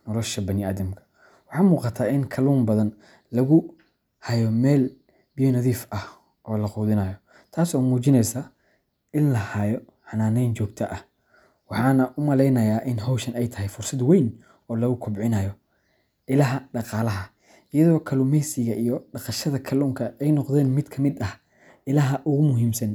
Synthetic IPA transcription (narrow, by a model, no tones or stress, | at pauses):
nɔlɔʃɐbɐnɪaːðɐmkʰɐ̥ | wɑħɑːmuːqɑt̪ʰaːɪŋkʰɐluːmbɐðɐn | lɐɣʊ | hɐjɔmɛːl | bɪjɔnɐðiːfʔɐh | ʔɔːlɐquːðɪnɐːjɔ | t̪ʰaːsɔːmuːt͡ʃɪnɛjsaː | ɪnlɐhɐjɔ | ħɑnaːnɛjnt͡ʃɔːɡt̪ʰɐʔɐh | wɑħɑːnɐʔʊmɐlɛjnɐjaːʔɪnɦɔwʃɐnɛjt̪ʰɐɦɛjfʊrsɐd̪wɛjn | ɔːlɐɣʊkʰʊbʕɪnɐjɔ | ʔɪlɐɦɐɖɑqɑːlɐɦɐ | ʔɪjɐðɔːkʰɐlʊmɛjsɪɣɐʔijɔɖɑqɑʃɐðɐkʰɐluːŋkʰɐɛjnɔqðɛːnmɪd̪kʰɐmɪd̪ɐh | ɪlɐɦɐʔʊɣʊmʊɦiːmsɐn